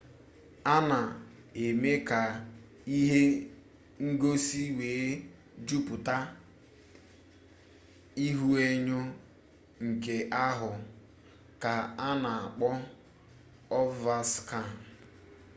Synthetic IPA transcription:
a˦na˨ | e˨me˦ka˨ | i˦ɦe˦ | ŋ̩˦ɡo˦si˦weː˨˦ | d͡ʒu˦pʊ˨ta˦ | i˦ɦu˦e˦ɲʊ˦ | ŋ̩˨ke˨ʔa˦ɦʊ˨ | ka˨a˦na˨a˨k͡pɔ˦ | ɔ˦va˦ska˦˨

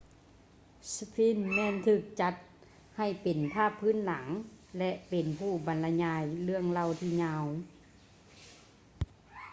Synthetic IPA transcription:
sfʰiː˧˥˨nmɛː˧˥˨nt̪ʰɯː˧˩k̚t͡ɕa˧˦t̪̚ | ha˧˩jpe˨˩npʰaː˧˥˩pʰːɯː˧˥˨nla˩˦ŋlɛ˧ʔpe˨˩npʰuː˧˩ba˨˦nla˧ɲaː˧jlɯ˧˥˩əŋla˧˩wt̪ʰiː˧˩ɲaː˧˩w

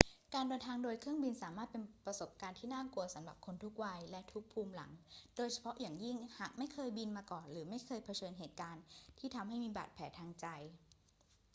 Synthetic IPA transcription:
kaː˧ndɤː˧nt̪ʰaː˧ŋdoː˧jkʰɾɯ˥˩əŋbi˧nsaː˨˩˦maː˥˩t̪̚pe˧npɾa˧so˨˩p̚kaː˧nt̪ʰiː˥˩naː˥˩ku˧ɐsa˩˦mla̰˨˩p̚kʰo˧nt̪ʰu˦˥k̚wa˧jlɛ˦˥t̪ʰu˦˥k̚pʰuː˧mla̰˩˦ŋdoː˧jt͡ɕʰa˧pʰɔ˦˥ʔjaː˨˩ŋji˥˩ŋhaː˨˩k̚ma˥˩jkʰɤː˧jbi˧nmaː˧kɔː˨˩nɾɯː˩˦ma˥˩jkʰɤː˧jpʰa˧t͡ɕʰɤː˧nɦeː˨˩t̪̚kaː˧nt̪ʰiː˥˩t̪ʰa˧mɦa˥˩jmiː˧ba̰ː˨˩t̪̚pʰɛː˩˦t̪ʰaː˧ŋt͡ɕa˧j

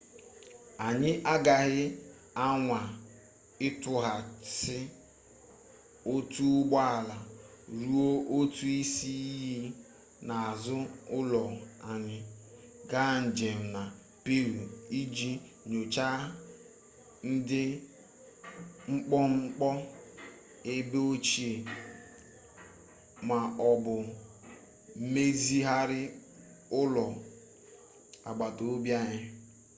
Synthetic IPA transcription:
a˨ɲɪ˦ʔa˦ɡa˨ɣɪ˦ | a˦ŋʷa˨ | ɪ˦tʊ˦ɦa˨sɪ˦ | o˦tu˦ɡ͡ba˦a˨la˨ɾu˦o˦ʔo˦tu˦i˦si˦ɦi˦ | na˨a˨zʊ˦ʊ˦lɔ˨a˨ɲɪ˨ | ɡa˦n̩˨d͡ʒe˨m̩˨na˨ | pe˦ɾu˨i˦d͡ʒi˦ | ɲo˨t͡ʃa˦ | n̩˦dɪ˦ | ŋ͡m̩˦k͡pɔ˦ŋ͡m̩˦k͡pɔ˦ | e˦be˦o˦t͡ʃi˦e˨ | ma˨ɔ˨bʊ˨˦ | me˦zi˦ɦa˦ɾɪ˦ | ʊ˦lɔ˨ | a˨ɡ͡ba˨to˨o˦bja˦ɲɪ˦

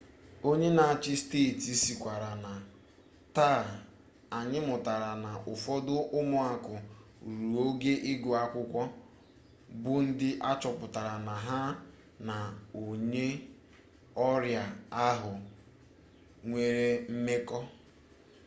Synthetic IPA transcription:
o˦ɲe˦na˨a˨t͡ʃɪ˦steː˦˨ti˦si˨kʷa˨ɾa˨na˨ | ta˦˨ | a˨ɲɪ˦mʊ˨ta˨ɾa˨na˨ʔʊ˨fɔ˦dʊ˦ʔʊ˦mʊ˨a˨kʊ˨ɾu˨o˦ɡe˦ʔɪ˦ɡʊ˨a˦kʷʊ˦kʷɔ˦ | bʊ˦n̩˦dɪ˦ʔa˦t͡ʃɔ˨pʊ˨ta˨ɾa˨na˨ɦa˦ | na˨o˨ɲe˦ | ɔ˦ɾja˨a˦ɦʊ˨ | ŋʷe˨ɾe˦m̩˦me˦kɔ˦

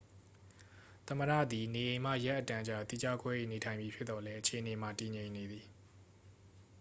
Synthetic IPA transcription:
t̪ə˨mə˨ɾä̰˦˨d̪i˨ne˨ʔẽ˨ɪ̃m̥ä̰˦˨ja˦ʔːətã˦˨d͡ʑa˨t̪i˦˨d͡ʑa̰˦˨kwɛ˦ʔḛ˦˨ne˨tʰã˨ɪ̃mbi˨pʰjɪ˦t̪ːɔ˨lɛ˦ʔət͡ɕʰe˨ʔəne˨m̥a˨ti˨ɲẽ˨ɪ̃nːe˨d̪i˨

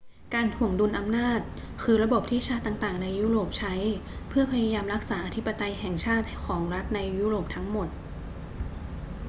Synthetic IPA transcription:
kaː˧nt̪ʰu˨˩əŋdu˧nʔa˧mnaː˥˩t̪̚ | kʰɯː˧ɾa˧bo˨˩p̚t̪ʰiː˥˩t͡ɕʰaː˥˩t̪ːaː˨˩ŋt̪aː˨˩ŋna˧jːuː˦˥ɾoː˨˩p̚t͡ɕʰa˦˥jpʰɯ˥˩ɐpʰa˧ja˧jaː˧mɾa˦˥k̚saː˩˦ʔa˧t̪ʰi˦˥pːa˧t̪a˧jɦɛː˨˩ŋt͡ɕʰaː˥˩t̪̚kʰɔː˩˦ŋɾa˦˥t̪̚na˧jːuː˦˥ɾoː˨˩p̚t̪ʰa˦˥ŋmo˨˩t̪̚

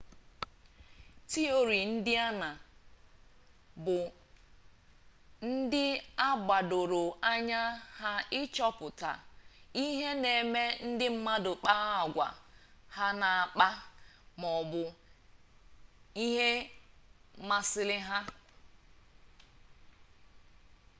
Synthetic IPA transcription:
ti˦o˦ɾi˨n̩˦dɪ˦a˦na˨ | bʊ˨ | n̩˦dɪ˦a˦ɡ͡ba˨do˨ɾo˨a˦ɲa˦ha˦ɪ˦t͡ʃɔ˦pʊ˨ta̰˨i˦ɦe˦ne˨me˦n̩˦dɪ˦m̩˦ma˦dʊ˨k͡pa˦a˨ɡʷa̰˨ha˦na˨a˨k͡pa˦mɔ˨bʊ˨ | i˦ɦe˦ | ma˦sɪ˦lɪ˦ɦa˦

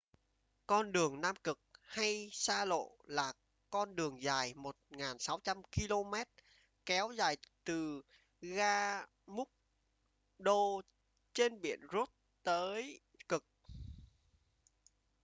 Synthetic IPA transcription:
kɔ˧nɗɨ˨˩əŋnaː˧mkɨ˨˩k̚ha˧jsaː˧lo̰˧˨laː˨˩ | kɔ˧nɗɨ˨˩əŋzaː˨˩jmo˨˩t̚ŋaː˨˩nsa˨˦wt͡ɕa˧mki˧lo˧mɛ˦˥t̚ | kɛ˨˦wza̰ː˨˩jt̪ɨ˨˩ | ɣaː˧ | mʊ˦˥k̚ | ɗo˧ | t͡ɕe˧nɓḭ˧˨ənzu˦˥t̚ | t̪əː˨˦j | kɨ˨˩k̚

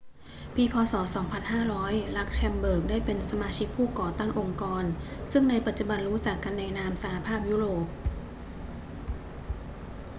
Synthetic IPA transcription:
pʰiː˧pʰɔː˧sɔː˩˦sɔː˩˦ŋpʰa˧nɦaː˥˩ɾɔː˦˥jla˦˥k̚t͡ɕʰɛ˧mbɤː˨˩k̚daː˥˩jpe˧nsa˧maː˧t͡ɕʰi˦˥k̚pʰuː˥˩kɔː˨˩t̪a˥˩ŋʔo˧ŋkɔː˧nsɯ˥˩ŋna˧jpa˨˩t̪̚t͡ɕu˨˩ba˧nɾuː˦˥t͡ɕa˨˩kːa˧nːɛː˧naː˧msa˧ha˧pʰaː˥˩p̚juː˦˥ɾoː˨˩p̚

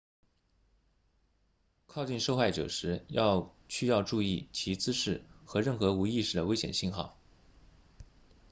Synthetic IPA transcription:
kʰɑ˥˧ʊt͡ɕi˥˧nʂo˥˧ʊxa˥˩ɪʈ͡ʂɤ̰˨˩ʂɻ̩˧˥jɑ˥˧ʊɕy˥˧jɑ˥˧ʊʈ͡ʂu˥˧i˥˩t͡ɕʰi˧˥t͡sɹ̩˥ʂɻ̩˥˩xɤ˧˥ɻə˥˩nxɤ˧˥u˧˥i˥˧ʂɻ̩˥˩d̪ə˩we˥ɪɕjɛ̰˨˩nɕi˥˧nxɑ̰˥˩ʊ

